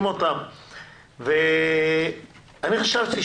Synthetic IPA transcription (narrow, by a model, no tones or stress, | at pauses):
mot̪am | ve | aniχaʃavti